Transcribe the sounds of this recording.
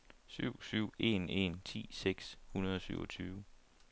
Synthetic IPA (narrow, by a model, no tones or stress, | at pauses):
syʊ̰syʊ̰e̝ne̝nt͡sʰḭːseɡ̥shunɐðˠɒ̽syʊɒ̽t͡sʰyːʊ